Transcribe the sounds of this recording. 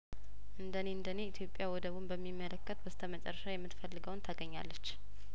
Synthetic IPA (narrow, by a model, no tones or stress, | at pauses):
ʔɨnd̪əne̞ɨnd̪əne̞it̪ʰjo̞pʼːjawɔd̪əβumbəmːimːələkːət̪bəst̪ʰəmət͡ʃʼɛ̰rːəʃajɛmːɨt̪fəlːɨɡəwnt̪ʰəɡəɲːa̰lːət͡ʃː